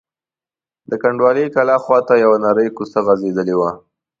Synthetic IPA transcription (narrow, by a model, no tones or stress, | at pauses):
d̪əkaɳɖwɑlekalɑxwɑt̪ajawanɑɾəjkusaɣazed̪əlewa